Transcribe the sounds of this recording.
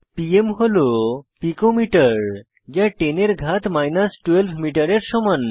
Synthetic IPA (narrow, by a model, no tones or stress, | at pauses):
piemɦolopikomiʈəɾ | d͡ʑjaʈeneɾɡʱat̪majnəsʈʋelʋmiʈəɾeɾɕɔmən